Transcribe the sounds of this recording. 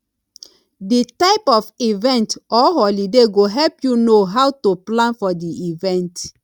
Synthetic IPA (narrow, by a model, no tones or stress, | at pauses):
ditaɪpɔfivɛ̃ntɔɦɔlideɡoɦɛlpjunoɦawtoplãnfɔdiʔivɛ̃nt